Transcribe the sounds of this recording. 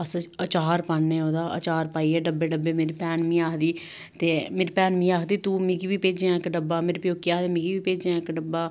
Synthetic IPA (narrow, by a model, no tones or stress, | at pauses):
əsət͡ʃaːɾpaːnːẽːoːd̪aːʔə̰t͡ʃaːɾpaːiːɛːɖəbeːɖəbːeːmeːɾipɛːnmĩːaːkd̪iː | t̪eːmeːɾpɛːnmĩːaːkd̪iːt̪uːmɪɡiːʋiːpeːd͡ʒãːɪkɖəbaːmeːɾpjoːkːiaːɦd̪eːmɪɡiːʋiːpeːd͡ʒãːɪkɖəbaː